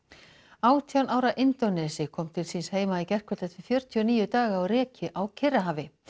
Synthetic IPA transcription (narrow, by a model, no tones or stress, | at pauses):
aːwt̪ʰiawnʔaːwɾaʔɪnt̪ɔnɛsɪkʰɔmt̪ʰɪlsiːnsheːjmaicɛr̥kʰœt̪ɛt̪vɪfjœɾ̥t̪ʰjʏɔniːjʏt̪aːɣaawrɛːcɪʔawcʰɪraɦaːvɪ